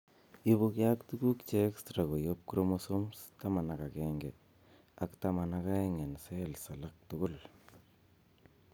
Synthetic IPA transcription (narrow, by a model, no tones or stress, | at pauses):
ibʊkjaktukukt͡ʃekstɾakojop̚kɾomosomstamanakakɛːŋɡe | aktamanakaeŋɛnselsalak̚tʊkʊl